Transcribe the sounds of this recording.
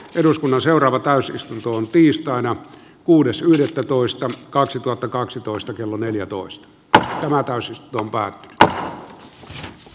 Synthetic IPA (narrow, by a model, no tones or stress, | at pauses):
ʔeɾuskunːɑnseorˑɑːʋɑt̪æˑysist̪unt̪oont̪iːst̪ɑˑinɑ | kuːdesyhdet̪ːæt̪oˑist̪ɑkɑksit̪uhɑt̪ːɑkɑksit̪oˑist̪ɑkelːoneljæt̪o̰ˑist̪ɑ̥ | t̪æmæt̪æˑysist̪unt̪oompæːt̪ːy̥ny̥t̪